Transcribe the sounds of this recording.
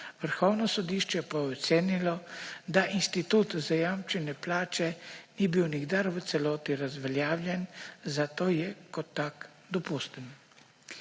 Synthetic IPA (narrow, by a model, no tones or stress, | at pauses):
ʋəɾxɔwnɔsɔd̪iːʃt͡ʃɛpajɛɔt̪seːnilɔd̪aʔinst̪it̪uːt̪zajamt͡ʃɛnɛplaːt͡ʃɛnibiwniɡd̪aɾʋət̪sɛlɔːt̪iɾazʋɛljaːwljɛnzat̪oːjɛkɔt̪ːak | d̪ɔpust̪ən